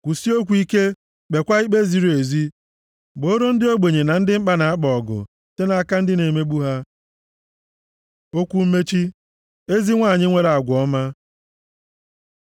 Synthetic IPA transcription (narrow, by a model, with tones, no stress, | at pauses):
kʷu˨si˦o˦kʷu˨i˦ke˦ | k͡pe˨kʷa˦i˦k͡pe˦zi˨ɾe˨zi˦ | ɡ͡bo˨˦o˦ɾo˦n̩˦dɪ˦o˦ɡ͡be˨ɲe˨na˨n̩˦dɪ˦m̩˦k͡pa˦na˨a˦k͡pɔ˨ɡʊ̰˨ | te˦na˨˦ka˦n̩˦dɪ˦ne˨me˦ɡ͡bu˦ɦa˦ | o˦kʷu˦m̩˦me˦t͡ʃi˦ | e˦zi˦ŋʷa˦˨ɲɪ˦ŋʷe˦ɾa˨ɡʷɔ˦ma˦